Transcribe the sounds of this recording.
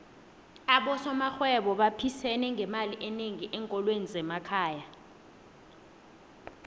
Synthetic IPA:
aɓɔsɔmaxwɛɓɔɓapʰisɛnɛŋɡʱɛmaliʔɛneŋiʔɛŋkʼɔlwenizɛmakʰaːja

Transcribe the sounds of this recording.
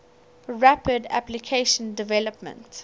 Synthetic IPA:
ɹæpədæ̰plikʰeʃə̃ndɪvɛləpmə̰̃nt

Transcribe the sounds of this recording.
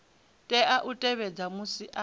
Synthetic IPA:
tʼɛʔaʔutʼɛβɛd͡zamusiʔa

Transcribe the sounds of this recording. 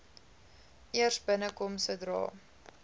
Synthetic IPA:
ʔiərsbənəkɔmsədrɑ̰ː

